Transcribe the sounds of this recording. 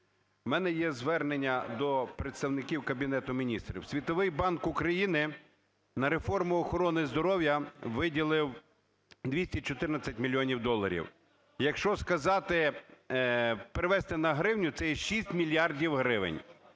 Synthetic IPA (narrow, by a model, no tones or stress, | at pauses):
mɛnɛjɛzʋɛrnenʲːɐd̪ɔpɾet̪st̪ɐwnɪkʲiwkɐbʲinɛt̪ʊmʲinʲist̪ɾʲḭwsʲʋʲit̪ɔʋɪjbɑnkʊkɾɐjinɪ | nɐɾe̞fɔrmʊɔxɔɾɔnɪzd̪ɔɾɔwjɐʋɪdʲilˠɪw | d̪ʲʋʲisʲtʲit͡ʃɔt̪ɪrnɐt͡sʲɐtʲmʲilʲːiɔnʲiwd̪ɔlˠːɐɾʲḭw | jɐkʃt͡ʃɔskɐzɑt̪ɪ | pɾɪʋɛst̪ɪnɐɦɾɪwnʲʊt̪sɛjɛʃisʲtʲmʲilʲjɑrdʲiwɦɾɪʋɪ̰nʲ